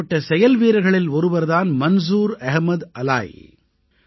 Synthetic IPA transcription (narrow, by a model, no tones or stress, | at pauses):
ɐʈːɐsɛjɐlʋiːɾɐɣɐɭɪlɔɾɯʋɐɾðaːnmɐns̬uːɾɐɣmɐðɐla̰ːj